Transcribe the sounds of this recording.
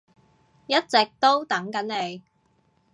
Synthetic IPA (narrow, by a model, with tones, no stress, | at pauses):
jɐ˥t̚t͡sɪ˨k̚t̪o˥wt̪ɐ˨˥ŋkɐ˨˥nle˨˧j